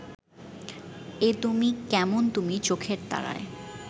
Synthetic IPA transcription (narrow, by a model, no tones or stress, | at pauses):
et̪umikɛmont̪umit͡ɕokʰeɾt̪a̰ɾa̰e